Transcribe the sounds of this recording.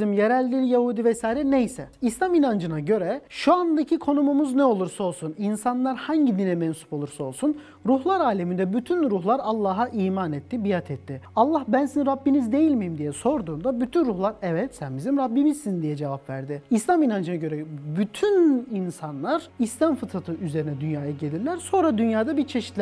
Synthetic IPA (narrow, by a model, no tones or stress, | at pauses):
zimjeɾælʲːijahuːd̪ivɛsaːiɾɛnejsɛislʲaminand͡ʒɯnaɟø̞ɾɛʃuand̪acʰikʰo̞numumuznɛo̞lˠuɾsao̞lˠsuninsanlˠaɾhaɲɟid̪inɛmɛnsu̥pʰolˠuɾsao̞lˠsun | ɾuɦlˠaɾaːlʲemind̪ɛbyt̪ʰynɾuɦlˠaɾalˠːaːɦaʔiːmaːnɛt̪ːibijat̪ʰɛt̪ʰːɪalˠːahbænsiniɾabːinizd̪e̞jilʲmijimd̪ijɛso̞ɾd̪uːnd̪abyt̪ʰynɾuhlˠaɾɛvɛt̪sænbizimɾabːimizsind̪ijɛd͡ʒe̞vapvæ̰ɾd̪ɪislʲˠaminand͡ʒɯnaɟø̞ɾɛbyt̪ʰyninsanlˠaɾ̥islʲamfɯt̪ʰat̪ʰɯʔyze̞ɾinɛd̪ynjaːjaɟe̞lʲiɾlʲæɾso̞nɾad̪ynjaːd̪abiɾt͡ʃʰe̞ʃi̥t̪lʲæ